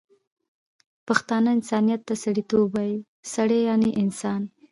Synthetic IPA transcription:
paxt̪ɑnaɪnsɑnijat̪ːasaɽit̪obaji | saɽejɑneʔɪnsɑn

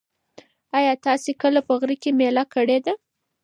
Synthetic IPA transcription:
ɑjɑt̪ɑsekəlapəɣɾikemelakəɽed̪a

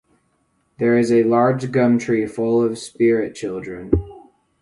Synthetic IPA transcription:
ðə˞ɨzɨlɑɹd͡ʒɡʌ̃mtʰɹ̥ifʊlˠʌv̥spɪɹɪt̚t͡ʃʰɪlˠdɹɨ̃n

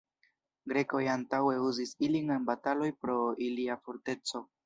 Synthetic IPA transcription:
ɡɾe̞ko̞jantawe̞uzisiliŋanbatalo̞jpɾo̞iliafoɾte̞t͡so̞

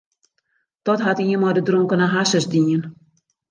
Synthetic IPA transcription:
tɔtɦatiənmɔdədroŋkənaɦasəsdiən

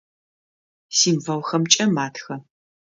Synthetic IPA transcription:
siːmvɐwxɐmt͡ʃʼɐmaːtʰxɐ

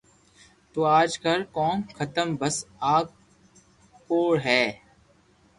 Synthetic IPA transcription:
t̪oːaːd͡ʒkəɾkɔːmxʰət̪əmbəsaːɡ̚ | poːɽɦɛː

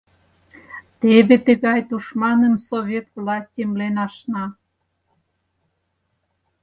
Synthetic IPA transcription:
t̪eβet̪ə̆ɣɑjt̪uʃmɑnənsoβʲet̪vlɑsʲtʲemlenɑʃnɑ

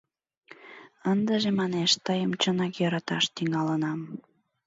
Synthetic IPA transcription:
ənd̪əʒemɑneʃt̪əjəmt͡ɕənɑkjɤɾɑt̪ɑʃt̪iŋɑlənɑm

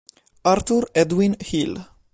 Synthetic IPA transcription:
aɾt̪uɾɛd̪winhil

